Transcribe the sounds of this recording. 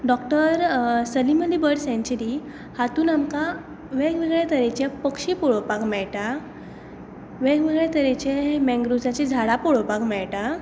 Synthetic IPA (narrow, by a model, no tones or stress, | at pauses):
ɖɔkʈəɾsəliməlibəɽsɛ̃ɲt͡ɕiɾi | hat̪uːnamka | ʋɛ̃ɡʋeɡɭɛt̪əɾet͡ɕjapəkɕiːpuɭopakmɛɭʈa | ʋɛɡʋeɡɭɛt̪əɾẽt͡ɕemɛ̃ŋɡɾud͡zat͡ɕid͡zʱaɽapuɭopakmɛɭʈa